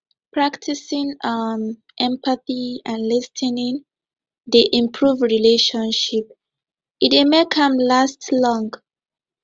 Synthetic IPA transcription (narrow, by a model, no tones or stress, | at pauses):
pʰɹaktʰisĩŋʌm | ʔɛ̃mpaθiãnlɛstʰɛnĩŋ | ðiʔĩmpʰɹuvɹileʃɔ̃nʃip̚ | itemekʰãmlastlɔ̃ŋɡ